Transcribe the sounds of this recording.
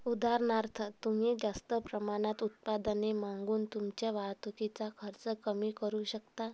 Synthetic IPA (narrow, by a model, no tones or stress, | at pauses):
ud̪ʱaɾnaɾt̪ʰət̪um̤id͡zast̪əpɾəmaɽ̃at̪ut̪̚pad̪ənemaŋɡuːnt̪umt͡ɕeʋat̪ukit͡sakʰəɾt͡səkəmiːkəɾuːɕəkt̪a